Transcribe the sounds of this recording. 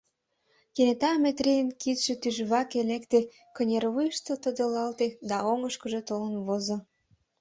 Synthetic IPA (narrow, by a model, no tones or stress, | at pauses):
kenet̪ɑmet̪rejənkit̪ʃet̪yʒβɑkelekt̪e | kənʲerβujəʃt̪ot̪əd̪ə̆lɑlt̪ed̪ɑoŋəʃkəʒet̪olənβozo